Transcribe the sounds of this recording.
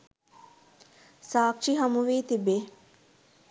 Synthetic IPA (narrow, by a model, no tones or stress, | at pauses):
saːkʂiɦɐmuʋiːt̪ibe